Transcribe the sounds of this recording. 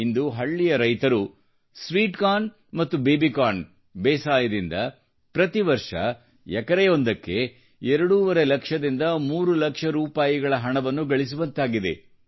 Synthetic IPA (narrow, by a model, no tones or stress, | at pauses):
ind̪uɦɐɭːijɐɾɐjt̪ɐɾu | sʋiːʈkaːn | mɐt̪ːubeːbikaːn | beːsaːjɐd̪ind̪ɐ | pɾɐt̪iʋɐɾʂɐ̰ | ɛkɐɾɛjo̞nd̪ɐkːe̞ | ɛɾɐɽuʋɐɾelɐkʂɐd̪ind̪ɐmuːɾulɐkʂɐɾuːpaːjiɡɐɭɐɦɐɳɐʋɐnːuɡɐɭis̬uʋɐnt̪aːɡid̪e̞̰